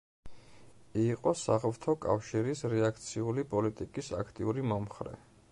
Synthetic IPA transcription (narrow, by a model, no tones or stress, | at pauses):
iːqʼɔsaʁvt̪ʰɔkʼa̰fʃiɾisɾɛakʰt̪sʰiulipʼɔlit̪ʼikʼisa̰kʰt̪ʼiuɾimɔmχɾɛ̰